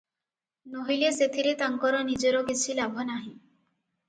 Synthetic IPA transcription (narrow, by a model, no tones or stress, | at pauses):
noɦileset̪ʰiɾet̪aŋkɔɾɔnid͡ʒɔɾɔkit͡ʃʰilabʱɔnaɦĩ